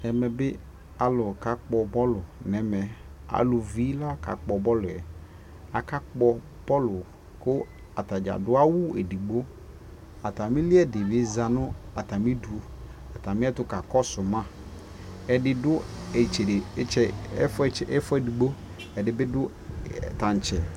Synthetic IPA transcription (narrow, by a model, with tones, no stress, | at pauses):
ɛ˨mɛ̃˨bɪ˦ | a˨lʊ˨ka˦k͡pɔ˨bɔ˦lʊ˨nɛ˨mɛ̃˨a̰˨lʊ˨vi˦la˦ka̰˨k͡pɔ˨bɔ˦lʊ˨ɛ̰˨ | a˨ka˦k͡pɔ˦ | pɔ˦lʊ˨ | kʊ˦ | a˨ta˨d͡ʒa̰˨dʊ˦a˦wʊ˦e˨di˨ɡ͡bo˦ | a˨ta˨mɪ̃˦lɪ˦ɛ˦˨dɪ˨bɪ˨˦za˨nʊ̃˦a˨ta˨mĩ˦du˨a˨ta˨mɪ̃˦ɛ˦tʊ˦ka˨kɔ˦sʊ˨mã˦ | ɛ˨dɪ˨dʊ˦ɛ˨t͡ʃe˨de˨˦t͡ʃɛ˨˦fɛ˦fɔ˦ɛ˦˨di˨ɡ͡bo˦ | ɛ˨dɪ˨bɪ˦dʊ˦˨ | ta˨n˨t͡ʃɛ˨